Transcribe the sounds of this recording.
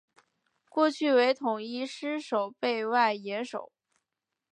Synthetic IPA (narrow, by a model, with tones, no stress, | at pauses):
kwɔ˥˧t͡ɕʰy˥˩we˧˥ɪt̪ʰʊ˨˩ŋi˥˩ʂɻ̩˥ʂo˨˩ʊpe˥˧ɪwa˥˩ɪjɛ˧˥nʂo˨˩˦ʊ